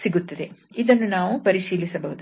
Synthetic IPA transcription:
siɡut̪ːɐd̪e̞ | id̪ɐnːunaːʋupɐɾiʂiːlisɐbɐɦud̪

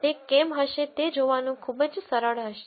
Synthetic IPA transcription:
t̪ekɛmɦəʃet̪ed͡ʒoʋanũkʰubəd͡ʒsəɾəɭɦəʃe̥

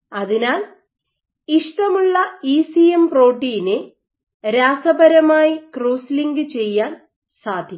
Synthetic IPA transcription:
ɐðinaːl | iʂʈɐmuɭːɐiːsijempro̞ːʈːiːne | ɾaːsɐbʱɐɾɐmaːjikruːsliŋɡɨt͡ɕe̞jːaːn | saːd̪ʱjɐ

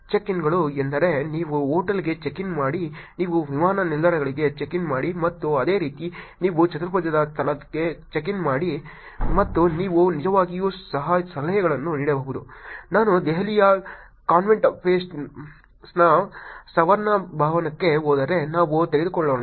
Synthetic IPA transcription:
t͡ʃekinɡɐɭuend̪ɐɾe̞niːʋuɦoːʈɐlɡe̞t͡ʃekinmaːɽiniːʋuʋimaːnɐnild̪ɐɾɐɡɐɭiɡe̞t͡ʃekinmaːɽimɐt̪ːuɐd̪e̞ːɾiːt̪iniːʋut͡ʃɐt̪ɾɐpɐd͡ʒɐd̪ɐst̪ʰɐlɐkːet͡ʃek̬inmaːɽi | mɐt̪ːuniːʋunid͡ʒɐʋaːɡijuːsɐɦɐsɐlɐjɐɡɐɭɐnːuniːɽebɐʋud̪ṵnaːnud̪ɛɦɐlijɐ | kaːnʋeɳʈpeːsʈ | snasɐʋɐɾnɐbʱaːʋɐnɐkːe̞ɦoːd̪ɐɾe̞naːʋut̪eɡed̪ukɔɭːoːɳa

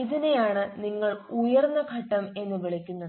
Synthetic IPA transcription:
iðinejaːɳɨniŋːɐɭujɐrnːɐɡʱɐʈːɐme̞nːɨʋiɭɐkʲːunːɐð

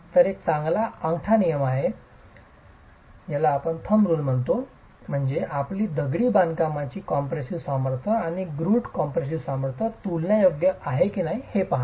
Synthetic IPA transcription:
t̪əɾet͡sãŋɡlaəŋɡʈʰanijəmaɦe | jalaːpəɳt̪ʰəmɾuːnm̤əɳt̪o | m̤əɳd͡zeʔapliːd̪əɡɽiːbãnkamat͡ɕiːkɔmpɾesiʋsaməɾt̪ʰəaɽ̃iɡɾuːʈkɔmpɾes̬iʋsaməɾt̪ʰət̪ulnjajoɡjəʔaɦekiːnaɦihepaɦa

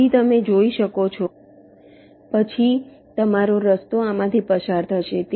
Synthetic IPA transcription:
it̪əmed͡ʒoiʃəkot͡ʃʰo | pət͡ʃʰi | t̪əmaɾoɾəst̪oamãt̪ʰipəsaɾt̪ʰəʃet̪

